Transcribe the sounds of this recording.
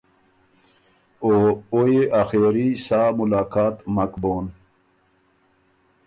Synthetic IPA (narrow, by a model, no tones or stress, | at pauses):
oːojeʔaxeːɾisaːmulaːkaːt̪mɐkboːn